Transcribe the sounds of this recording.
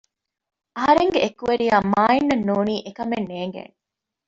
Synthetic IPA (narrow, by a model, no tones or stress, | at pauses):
ɐɦɐɾeŋɡeekːuʋeɾijaːmaːinːɐnːuːniːʔekɐmenːeːŋɡḛːn